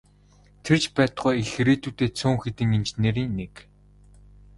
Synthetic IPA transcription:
t̪ʰert͡ɕpæːt̪ɢujeɮɾiːt̪uːt̪eːt͡sʰʊːŋxet̪ɘ̆ŋent͡ɕneɾiːŋnek

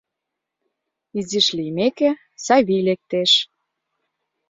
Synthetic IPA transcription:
iziʃlimeke | sɑβilek̚t̪eʃ

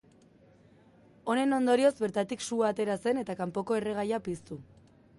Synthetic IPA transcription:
o̞ne̞no̞nd̪o̞ɾio̞zbe̞ɾt̪at̪iksuat̪e̞ɾase̞ne̞t̪akampo̞ko̞e̞re̞ɣ̞ajapist̪u

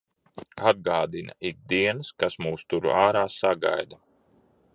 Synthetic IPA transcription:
ad̪̚ɡaːd̪ina̰iɡ̚d̪iɛnskasmuːst̪uɾṵʔaːɾaːsaɡa̰jd̪a

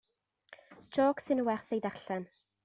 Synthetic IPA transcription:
d͡ʒoːksɪnəwɛrθejdaɬɛn

